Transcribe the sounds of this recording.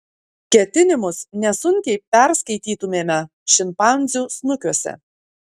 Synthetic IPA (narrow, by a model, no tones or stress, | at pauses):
kʲɛt̪ʲɪnʲɪmʊsnʲɛsʊŋʲkʲɛɪpʲɛɾskɐɪt̪ʲiːt̪ʊmʲeːmʲɛ | ʃʲɪmpɑˑnʲˑzʲuːsnʊkʲuɔsʲɛ̰